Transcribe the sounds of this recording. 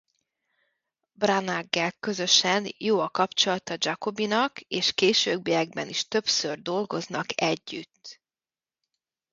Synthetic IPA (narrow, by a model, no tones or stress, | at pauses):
branaɡːɛlkø̞zø̞ʃɛnjoːɒkɒpt͡ʃo̞lɒt̪ɒd͡ʒɒko̞binɒkeːʃkeːʃøːɡ̚bijɛɡ̚bɛniʃt̪ø̞psørd̪o̞lɡo̞znɒkʰɛɟːyt̪ː